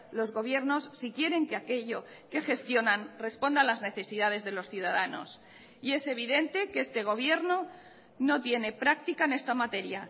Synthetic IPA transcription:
lo̞zɣo̞βje̞ɾno̞sːikje̞ɾe̞ŋkeake̞ʎo̞ | ke̞xe̞st̪jo̞nanre̞spo̞nd̪anlazne̞θe̞siðað̞e̞zðe̞lo̞sθjuð̞aðano̰s | ie̞se̞β̞iðe̞nt̪e̞keest̪e̞ɣ̞o̞β̞je̞ɾno | no̞t̪je̞ne̞pɾak̚t̪ikaenest̪amat̪e̞ɾja

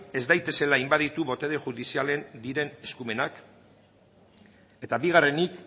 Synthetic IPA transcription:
e̞zd̪ajt̪e̞se̞laːjmbaðit̪uβo̞t̪e̞ð̞eʝuðisiale̞nd̪iɾe̞ne̞skume̞nak | e̞t̪aβiɣ̞are̞nik

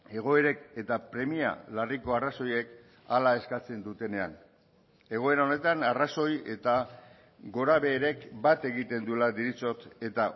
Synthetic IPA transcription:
e̞ɣ̞o̞e̞ɾe̞ke̞t̪apɾe̞mia̰lariko̞araso̞je̞k | alae̞skat͡se̞nd̪ut̪e̞ne̞a̰n | e̞ɣ̞o̞e̞ɾao̞ne̞t̪anaraso̞je̞t̪a | ɡo̞ɾaβe̞ːɾe̞kbat̪e̞ɣit̪e̞nd̪ulad̪iɾit͡so̞t̪e̞t̪a

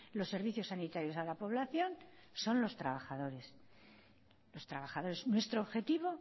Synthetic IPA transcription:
lo̞sːe̞ɾβiθjo̞sːanit̪aɾjo̞salapo̞βlaθjo̞nso̞nlo̞st̪ɾaβaχaðo̞ɾe̞s | lo̞st̪ɾaβaχaðo̞ɾe̞snwe̞st̪ɾoːβxe̞t̪iβo̞

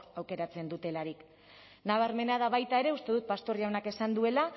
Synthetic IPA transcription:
awke̞ɾat͡se̞nd̪ut̪e̞laɾik | naβ̞aɾme̞nað̞aβajt̪ae̞ɾe̞ust̪e̞ð̞ut̪̚past̪o̞riaownake̞sand̪ue̞la

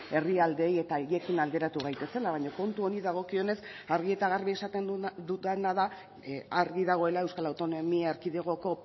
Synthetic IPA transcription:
e̞riald̪e̞je̞t̪aʝekinald̪e̞ɾat̪uɣ̞ajt̪e̞se̞laβaɲoko̞nt̪uo̞niðaɣ̞o̞kio̞ne̞saɾɣ̞ie̞t̪aɣ̞aɾβiesat̪ed̪ut̪enaða | aɾɣiðaɣ̞o̞e̞lae̞wskalawt̪o̞no̞miaeɾkiðeɣ̞o̞ko̞

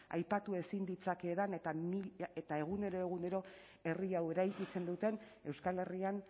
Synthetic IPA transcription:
a̰jpat̪ue̞sind̪it͡sake̞ːðane̞t̪amiet̪ae̞ɣ̞une̞ɾo̞e̞ɣ̞une̞ɾo̞ | e̞riawe̞ɾajkit͡se̞nd̪ut̪e̞n | e̞wskale̞rian

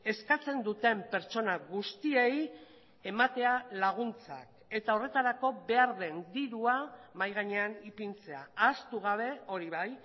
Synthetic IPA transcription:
e̞skat͡se̞nd̪ut̪e̞mpe̞ɾt͡ʃo̞naɣust̪iej | e̞mat̪e̞alaɣ̞unt͡sa̰k | e̞t̪ao̞re̞t̪aɾako̞be̞aɾðe̞nd̪iɾuamajɣ̞aɲe̞anipint͡se̞a̰ast̪uɣ̞aβ̞e̞o̞ɾiβaj

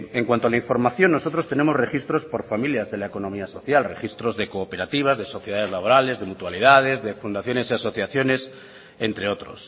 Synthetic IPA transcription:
e̞ŋkwant̪oalaiɱfo̞ɾmaθjo̞nːo̞so̞t̪ɾo̞st̪e̞ne̞mo̞zre̞xist̪ɾo̞spo̞ɾfamiljazðe̞laeko̞no̞miaso̞θjalre̞xist̪ɾo̞zðe̞koːpe̞ɾat̪iβ̞azðe̞so̞θje̞ðaðe̞zlaβo̞ɾale̞zðe̞mut̪waliðað̞e̞zðe̞fund̪aθjo̞ne̞siaso̞θjaθjo̞ne̞s | e̞nt̪ɾeo̞t̪ɾo̞̰s

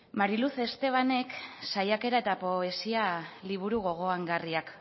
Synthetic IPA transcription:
maɾiluθe̞st̪e̞β̞ane̞ksajake̞ɾae̞t̪apo̞e̞sialiβ̞uɾuɣ̞o̞ɣ̞o̞aŋɡariak

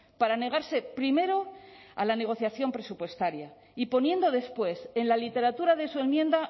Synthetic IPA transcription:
paɾane̞ɣ̞aɾse̞pɾime̞ɾo̞a̰lane̞ɣ̞o̞θjaθjo̞mpɾe̞supwe̞st̪aɾja | ipo̞nje̞nd̪o̞ðe̞spwe̞se̞nlalit̪e̞ɾat̪uɾaðe̞sue̞mjẽ̞nd̪a

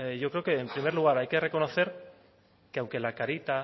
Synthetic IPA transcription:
eʝo̞kɾe̞okeːmpɾimeɾluɣ̞aɾajke̞re̞konoθe̞ɾ | keawŋke̞lakaɾit̪a

